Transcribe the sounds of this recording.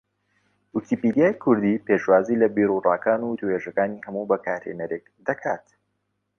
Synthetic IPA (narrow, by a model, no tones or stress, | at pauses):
wukʰipid̪iaːjkʰʊɾd̪ipeʃwaːzilɐbiːɾurˤɑːkaːnuwʊt̪uheːʒɐkaːniːhɐmubɐkʰaːɾhḛnɐɾek̚d̪ɐkʰaːt̪